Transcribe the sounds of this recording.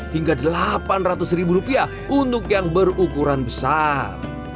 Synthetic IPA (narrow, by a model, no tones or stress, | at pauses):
hiŋɡadəlapanrat̪ʊsrɾibuɾupia | undʊk̚jaŋbərukuɾanbəsar